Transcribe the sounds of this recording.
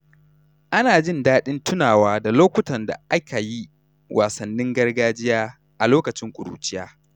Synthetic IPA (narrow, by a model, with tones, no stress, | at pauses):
ʔa˦naː˨d͡ʒɪ˦˨ndaː˦ɗɪ˦ntʰʊ˦naː˨waː˦da˨loː˦kʷʊ˦tɐ˨nda̰˨ʔa˦kʰa˨ji˦ | wʔa̰ː˨sɐ˨nːɪ˦ŋɡɐ˦rɡaː˦d͡ʒɪ˦jaː˦ | ʔa˨loː˦kɐ˨t͡ʃɪ˦ŋkʷʼʊ̰˨ɽṵ˨t͡ʃɪ˦jaː˦